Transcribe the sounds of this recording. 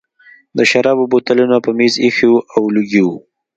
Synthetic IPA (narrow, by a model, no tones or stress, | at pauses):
d̪əʃaɾɑbobot̪alunapəmezixiwʔawluɡiwu